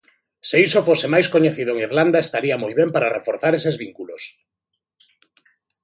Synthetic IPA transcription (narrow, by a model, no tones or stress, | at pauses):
seisofosemajskoɲeθiðoeŋiɾland̪aest̪aɾiamojβ̞empaɾarefoɾθaɾesezβiŋkulos